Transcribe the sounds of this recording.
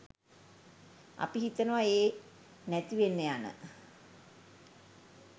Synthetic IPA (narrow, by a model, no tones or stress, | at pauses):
a̰piɦit̪ənəʋaeː | næt̪iʋenːejanə̰